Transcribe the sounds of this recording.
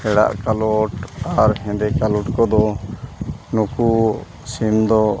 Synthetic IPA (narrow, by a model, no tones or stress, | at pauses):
ɛɽa̰ʔkalɔʈaɾhɛ̃nd̪ɛkalɔʈkɔd̪ɔ | nuku | simd̪ɔ